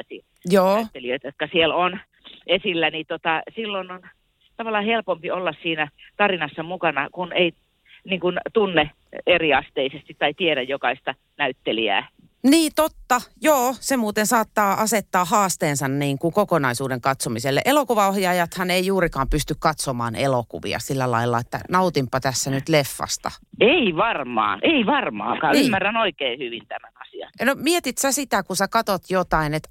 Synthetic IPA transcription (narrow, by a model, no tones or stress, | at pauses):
sḭ | joːt̪ːeliøt̪jot̪̚kɑsielon | esilːænit̪ot̪ɑsilːonon | t̪ɑʋɑlːɑhelpompiolːɑssiːnæt̪ɑrinɑsːɑmukɑnɑkunei | niːŋkunt̪unːe | eriɑst̪eisest̪it̪tɑit̪ieɾæjjokɑist̪ɑ | næyt̪ːeliæ̰ː | niːt̪ot̪ːɑjoːsemuːt̪ensɑːt̪ːɑːʔɑset̪ːɑːhɑːst̪eːnsɑnniːŋkukokonɑisuːdeŋkɑt̪somiselːḛʔelokuʋɑohjɑjɑt̪hɑneijuːrikɑːmpyst̪ykkɑt̪somɑ̰ːnelokṵʋḭɑ̰silːælɑ̰ilːɑ̰et̪ːæ̰nɑut̪impːɑt̪æsːænyt̪lefːɑ̰st̪ɑ̰eiʋɑrmɑ̰ːʔeiʋɑrmɑ̰ːŋkɑːnymːærːænoikeːhyʋint̪æmænɑsiɑ̰nnomiet̪it̪sæsit̪ækusækɑt̪ot̪jot̪ɑinet̪